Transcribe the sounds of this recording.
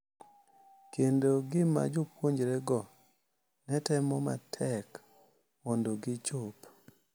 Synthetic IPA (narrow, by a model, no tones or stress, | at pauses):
kendoɡɪma̰d͡ʒɔpwoɲd͡ʒɾeɡɔ | nɛtɛmɔma̰tʰɛk | mondoɡɪt͡ʃop